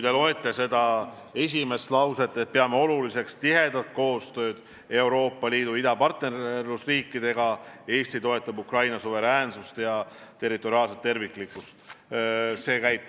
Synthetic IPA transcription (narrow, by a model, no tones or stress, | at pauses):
kujt̪elo̞e̞t̪ːˑese̞d̪̥ɑ | e̞s̬ʲime̞st̪lɑwse̞t̪ːˑet̪̚peɑmeo̞lulise̞kst̪iɦe̞d̪ɑt̪̚ko̞ːst̪ø̞ːd̪̥ | e̞wɾo̞ːpːˑɑliːd̪uid̪ɑpɑrt̪nerrlusriːkˑːid̪̥e̞ɡ̥ɑe̞ːst̪it̪o̞e̞t̪ːˑɑbukrɑjnɑsuve̞ɾæːnsust̪jɑt̪e̞rːit̪ːˑo̞ɾiɑːlset̪ːe̞rviklikːˑust̪ | se̞ːkæjt̪ːˑ